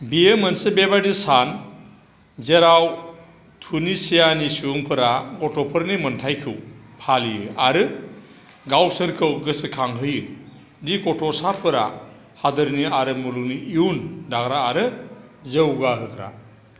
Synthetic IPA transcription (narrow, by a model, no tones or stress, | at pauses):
bijemənsebebadisan | zeɾaw | tʰunisijanisuŋpʰɯɾaɡɔtʰɔpʰɯɾnimɯntʰajkʰɯwpʰalijɯ̰aɾɯ | ɡawsɯɾkʰɯwɡɯsɯkʰaŋɦɯjɯ | dikɔtʰɔsapʰɯɾa̰ | had̪ɯɾniaɾɯmulukniiundakɾaːɾɯzewɡaɦɯkɾa̰